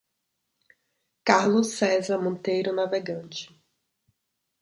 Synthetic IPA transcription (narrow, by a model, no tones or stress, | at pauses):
kaɾlʊsɛzɐmõnt̪ejɾʊnaveɡɐ̃t͡ʃɪ̥